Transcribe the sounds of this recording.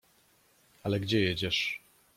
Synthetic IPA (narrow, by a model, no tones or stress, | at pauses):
alɛɡd͡ʑɛjɛd͡ʑɛʂ